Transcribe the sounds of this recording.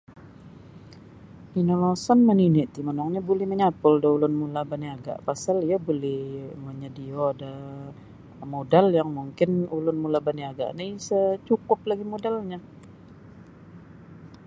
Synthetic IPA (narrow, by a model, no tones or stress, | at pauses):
inolasɔnməninɪʔt̪imənɔŋɲabolɛhməɲapʊldaulʊnmulabaniaɡa̰ʔpasalijabolɛhməɲədioada | modaljaŋmuŋkɪnulʊnmulabaniaɡa̰ʔnisət͡ʃukʊplaɡimodalɲa